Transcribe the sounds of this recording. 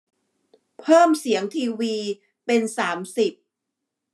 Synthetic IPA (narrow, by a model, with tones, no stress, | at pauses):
pʰɤː˥˩msi˩˦əŋt̪ʰiː˧wiː˧ | pe˧nsaː˩˦msi˨˩p̚